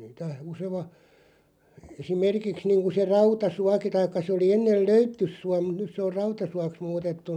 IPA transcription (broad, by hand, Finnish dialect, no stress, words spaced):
niːtæ useʋɑ esimerkiks niːŋku se rɑutɑsuɑki tɑikːɑ sĕ oli enːel løytːysˑuɑ mut̆ nys se or rɑutɑsuɑks muːtetːun̆